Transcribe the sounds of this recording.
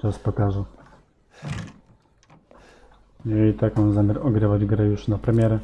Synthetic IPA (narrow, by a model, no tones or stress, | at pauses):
t͡ʃaspɔkaʐɛ | mʲeit̪akɔ̃w̃zamʲjaɾɔɡɾɘvad͡ʑɡɾɛjuʂnapɾɛmʲjɛɾɛ